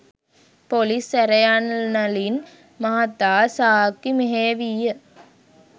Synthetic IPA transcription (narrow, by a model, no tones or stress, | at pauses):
polisɛɾɐjannɐlin | mɐɦɐt̪ːaːsaːkːimeɦeːʋijə